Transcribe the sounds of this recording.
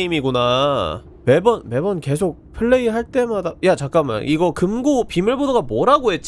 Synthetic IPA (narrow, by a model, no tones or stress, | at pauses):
imiɡuna | me̞bʌnme̞bʌnke̞sʰok̚pʰɯɭːe̞iɦaɭt͈e̞madajat͡ɕak͈ama̰nʔiɡʌkɯmɡopimuɭbodoɡamʌɾaɡoɦe̞t̚t͡ɕ